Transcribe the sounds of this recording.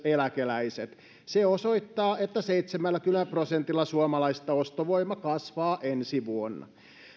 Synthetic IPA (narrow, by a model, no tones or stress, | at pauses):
elækelæiset̪ | seosoit̪ːɑːʔet̪ːæseit̪semælːækylæprosent̪ilːɑsuomɑlɑist̪ɑost̪oʋoimːɑkɑsʋɑːʔensiʋuonːɑ̰